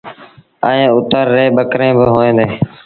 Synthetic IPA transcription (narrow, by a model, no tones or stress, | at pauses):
əẽːʊt̪əɾːeːɓəkɾẽːbɪɦoːẽːnd̪eː